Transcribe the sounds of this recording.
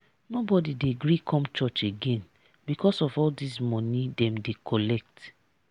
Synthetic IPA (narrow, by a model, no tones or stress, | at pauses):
nobɔdideɡɹikʰɔ̃mt͡ʃɔt͡ʃeɡẽn | bikʰɔsɔfɔldismɔ̃nĩdɛ̃mdekʰɔlɛk̚t